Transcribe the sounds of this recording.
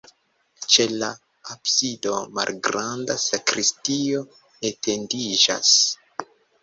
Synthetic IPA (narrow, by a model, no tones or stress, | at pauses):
t͡ʃe̞la | apsido̞ma̰lɡɾandasakɾistio̞ | ete̞ndid͡ʒa̰s